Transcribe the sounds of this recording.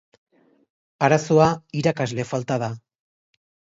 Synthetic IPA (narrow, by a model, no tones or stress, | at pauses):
aɾaso̞aiɾakazle̞falt̪að̞a